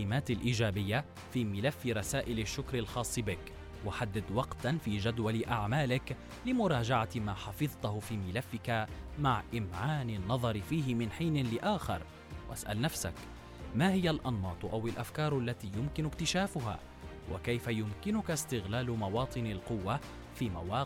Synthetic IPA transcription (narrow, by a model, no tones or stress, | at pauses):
ɪmaːt̪alʔiːd͡ʒaːbɪjːa | fiːmɪlafːɪɾˤɑsaːʔɪlaʃːʊkɾalxɑːsˤːɨbɪk | waħad̪ːɪd̪wɑqt̪anfiːʒad̪walɪʔaʕmaːlɪk | lɪmʊɾˤɑːd͡ʒaʕamaːħɑfɨðˤt̪ʊhʊfiːmɪlafːɪkamaʕʔɪmʕaːnɪnːɑðˤɑɾɪfiːɦɪmɪnħiːnɪlɪʔaːxɪ̰ɾˤ | wʔa̰sʔa̰lnafsa̰k | maːhɪjalʔɑnːɑːt̪ˤʔawɪlʔafkɑːɾˤʔalːat̪iːjʊmkɪnʊkt̪ɪʃaːfʊɦa̰ː | wʔa̰kajfajʊmkɪnʊkast̪ɪɣlaːlʊmɑwɑːt̪ˤɨnalqʊwːa | fiːmawaː